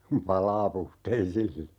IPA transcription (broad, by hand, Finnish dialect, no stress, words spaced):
kum pɑlɑː puhteisilːɑ